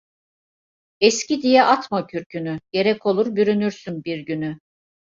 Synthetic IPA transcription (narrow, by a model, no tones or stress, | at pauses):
ɛscid̪ijɛʔat̪macʰyɾcʰynyɟ̥e̞ɾɛkʰo̞lˠuɾbyɾynyɾsynbiɾɟyny